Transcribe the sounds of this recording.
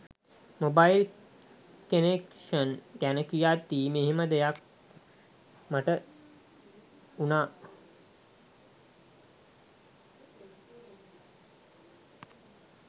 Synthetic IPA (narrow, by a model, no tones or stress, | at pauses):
mobajil | kenekʂənɡænəkijat̪ːiːmeɦeməd̪ejak | maʈə | unaː